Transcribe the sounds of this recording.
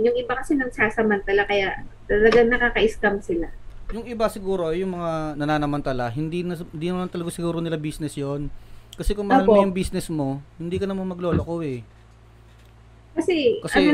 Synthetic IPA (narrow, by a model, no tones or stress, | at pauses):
jʊŋʔɪbakɐsɛnɐɡsaːsɐmɐnt̪ɐlakɐjaʔt̪ɐlɐɡaŋnɐkaːkɐʔɪskamsɪlajʊŋʔɪbasɪɡuːɾo̞jʊŋmɐŋanɐnaːnɐmɐnt̪ɐlaɦɪnd̪inɐnd̪iːnɐmant̪ɐlɐɡasɪɡuːɾonɪlabiːsnɛsjonkɐsɛkʊŋmɐɐlmojʊŋbiːsnɛsmo̞hɪnd̪iːkɐnɐmanmɐɡlo̞ːlokowɛ | kɐsɛkɐsɐɛo